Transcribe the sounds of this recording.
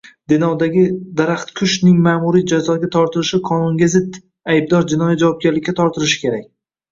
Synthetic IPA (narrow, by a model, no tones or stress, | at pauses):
d̪ɪnɒd̪aɡʲɪd̪aɾaχt̪kʲʰʊʃnɪŋmaːmʊɾijd͡ʒazɒɡʲat̪ʰɒɾt̪ʰɪɾɪʃɪqʰɒnʊŋɡʲazɪd̪ | ajb̚d̪ɒɾd͡ʒɪnɒjad͡ʒavɒp̚ɡʲaɾlɪkʲːat̪ʰɒɾt̪ʰɪɾɪʃɪ̥kʲe̞ɾak̚ʲ